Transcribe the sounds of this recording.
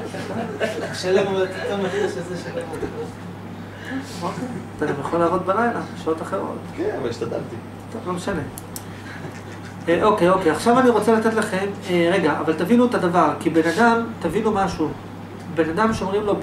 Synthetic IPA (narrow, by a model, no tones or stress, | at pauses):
ʃelmmattamatiʃezeʃeloloo | okeat̪aɡamjaχolaːʁot̪balajlaʃeotaχeʁo̞̰t̪kenavaliʃt̪ad̪a̰lt̪i | t̪ovlo̞meʃane̞ | eʔo̞kejo̞keaχʃavaniʁo̞t͡selat̪e̞t̪laχe̞meʁe̞ɡaʔa̰valt̪avinuet̪ad̪avaʁkibe̞nadamt̪avinumaʃu | be̞nad̪amʃeomʁimlo̞